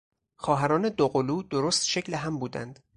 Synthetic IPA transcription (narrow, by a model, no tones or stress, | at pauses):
xɒːɦæɾɒːne̞d̪oɣoluːd̪̥oɾoːst̪ʃecʰleɦæmbuːd̪æ̰nd̪̥